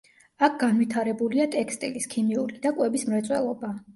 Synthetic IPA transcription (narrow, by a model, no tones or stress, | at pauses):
ak̚ʰɡ̥anvit̪ʰaɾɛbuliat̪ʼɛkʰst̪ʼḭliskʰimiuɾid̪akʼwɛbismɾɛt̪sʼwɛ̰lˠɔba